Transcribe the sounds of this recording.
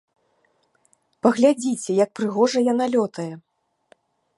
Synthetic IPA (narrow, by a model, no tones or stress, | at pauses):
pɐɣlʲad͡zʲit͡sʲɛjɐk̚pɾɨɣɔʐɐjanalʲɔt̪ɐjɛ